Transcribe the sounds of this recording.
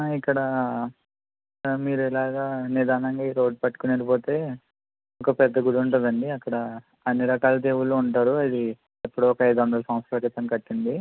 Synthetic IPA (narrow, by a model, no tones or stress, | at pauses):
ikːɐɽɐ | miːɾuɛlaːɡaːnid̪aːnɐŋɡaːiɾo̞ːɖ̚pɐʈːu̥kuneːɾipo̞ːt̪e̞ː | ɔkɐpɛd̪ːɐɡuɽuɳʈund̪ɐɳɖiɐkːɐɽɐː | nːiɾɐkaːlɐd̪eːwuloːuɳʈaːɾuɐd̪i | epːuɽoːɔkɐɐjd̪ɐuɳɖɐːlsɐmspɾɐkit̪ːɐmkɐʈːind̪i